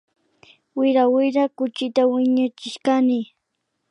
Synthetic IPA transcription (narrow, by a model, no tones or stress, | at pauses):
wɪɾawɪɾakʊt͡ʃɪt̪awɪɲat͡ʃɪʃkanɪ